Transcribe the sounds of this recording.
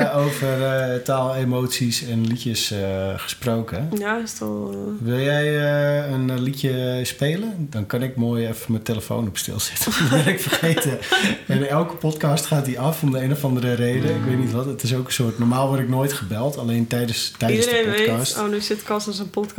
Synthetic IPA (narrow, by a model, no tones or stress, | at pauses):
owvərtaːlˠemowtsisɛnlicəsχə̥sproːkəjaɪstɔ̰lˠʋɪlˠjɛjənlicjəspeːləndɔnkɑnɪkmoːjɛfəməteləfo̰wnɔpstɪ̰lˠz̥ɪtəʋɛrɪkfərxejtəɛnɛlˠkə̥pɔtkɑstχaːt̚diɑfɔmdəeːnofɑndəɾəɾejdəɪkʋejtnitʋɔtətɪs̬owkənsʊərtnɔrmaːlˠʋɔɾɪknoːjtχəbɛlˠtaleːntɛjdəstɛdədəzdepkɑstonysɪtkɑsəsənpɔtk